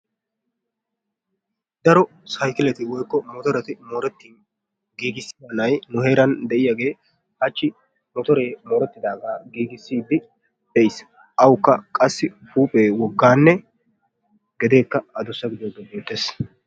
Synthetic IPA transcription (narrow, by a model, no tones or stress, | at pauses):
d̪ɐɾɔ | sɐjkɪlɛt̪ɪwɔjkːɔmɔt̪ɔɾɛt̪ɪmoːɾɛt̪ːin | ɡiːɡɪsːi̥d̪ɐnɐjnʊhe̞ːɾɐnd̪ɛʔɪjaːɡe̞ː | hɐt͡ʃːɪ | mɔt̪ɔɾeːmo̞ːɾɛt̪ːɪd̪aːɡaːɡiːɡɪsːiːd̪ɪ | d̪ɛjs | ʔɐwʊkːɐkʼɐsːɪfuːpʼeːwɔɡːaːnːɛ | ɡɛd̪e̞ːkːɐɐd̪ɔsːɐɡɪd̪oːɡ̪ɔbeːt̪ːeːs